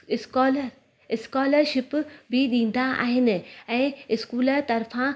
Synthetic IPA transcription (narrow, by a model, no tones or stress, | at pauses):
ɪskɔːləɾ | ɪskɔːləɾʃɪpbʱiɗĩːn̆d̪aʔa̰ːɦɪnɪ̆ɛ̃ːɪskuːləɾt̪ɐɾfã